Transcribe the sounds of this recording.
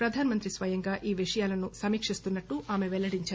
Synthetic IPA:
pɾɐd̪ʱaːnɐmɐnt̪ɾisʋɐjɐŋɡaːʔʔiːʋiʂɐjaːlɐnusɐmiːkʂist̪unːɐʈːuʔaːmeʋɛlːɐɽiɲt͡ʃaːɾ

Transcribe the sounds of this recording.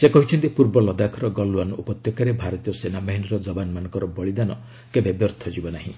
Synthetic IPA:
sekɔɦit͡ʃʰɔnt̪ipuɾbɔlɔd̪akʰɔɾɔɡɔluanupɔt̪jɔkaɾebʱaɾɔt̪ijɔsenabaɦiniɾɔd͡ʒɔbanmanɔ̃ŋkɔɾɔbɔɭid̪anɔ | kebebjɔɾt̪ʰɔd͡ʒibɔnaɦḭ̃

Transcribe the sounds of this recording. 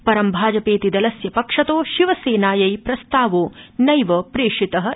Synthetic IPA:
pɐɾɐmbʱaːd͡ʒɐpeːt̪id̪ɐlɐsjɐpɐkʂɐt̪oːʃiʋɐseːnaːjɐjpɾɐst̪aːʋoːnɐjʋɐpɾeːʂit̪ɐɦɐ

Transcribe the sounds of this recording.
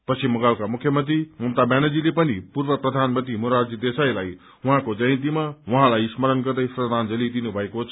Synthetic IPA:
pʌt͡sʰimʌɡalkamukʰjʌmʌnt̪ɾimʌmt̪abjanʌd͡zilepʌnipurbʌprʌd̪ʱanmʌnt̪imoɾard͡zid̪esajlaj | uɦãkod͡zʌj̃nt̪̬imawʌɦãlajsmʌɾʌnɡʌrd̪ʌjsrʌd̪ʱand͡zʌlid̪inubʱʌekot͡sʰ

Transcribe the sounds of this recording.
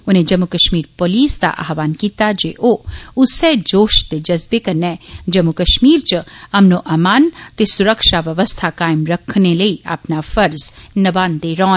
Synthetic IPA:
ʊnẽd͡ʒɐmːukəʃmiːɾpoːliːsd̪a̰ʔa̰ːɦʋaːnkiːt̪ad͡ʒeʔoʊsɛd͡ʒoːʃt̪ed͡ʒɐzbekɐnɛd͡ʒɐmːukɐʃmiːɾt͡ʃɐmnoʔaːmaːnt̪esʊɾəkʃaʋɐʋəst̪ʰakaːɪmɾɐkʰneləia̰pnafɐɾznɐbaːnd̪eɾɔːn

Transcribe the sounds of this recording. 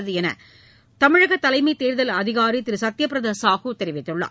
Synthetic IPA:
ðɯɛnɐ̰ | t̪ɐmɪɻɐɣɐt̪ːɐlɐɪmɐɪt̪eːɾðɐlɐðɪɣaːɾit̪ɪɾɯsɐt̪ːjɐpɪɾɐðɐːsaːɣɯt̪ɛɾɪʋɪt̪ːɯɭːɐ̰

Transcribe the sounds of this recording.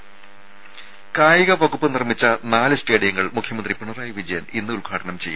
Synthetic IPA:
kaːjiɣɐʋɐɣupːɨnirmit͡ɕːɐnaːlɨsʈe̞ːɽijɐŋːɐɭmukʰjɐmɐnd̪ripiɳɐraːjiʋid͡ʑɐjɐninːɨulɡʱaːʈɐnɐmt͡ɕe̞jːu

